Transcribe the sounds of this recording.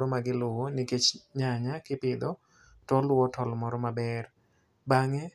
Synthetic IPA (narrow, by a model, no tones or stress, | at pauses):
ɾɔmaɡɪlʊwonɪket͡ʃɲaɲakɪpɪd̪ɔ | tɔlʊwɔtɔlmɔɾɔmabɛr | baŋɛ